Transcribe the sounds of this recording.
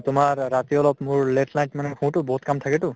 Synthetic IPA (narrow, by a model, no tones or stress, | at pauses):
tʊmaɹːatiɔlɔpmʊɹlɛtʰlajtmanɛxʰũtʊbɔɦutkamtʰakɛtʊ